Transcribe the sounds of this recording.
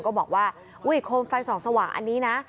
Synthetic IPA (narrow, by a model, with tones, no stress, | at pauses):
nkɔː˥˩bɔː˨˩k̚waː˥˩ | ʔu˦˥˩jkʰoː˧nfa˧jsɔː˩˦ŋsa˧waː˨˩˦ŋʔa̰˧nːiː˦˥na˦˥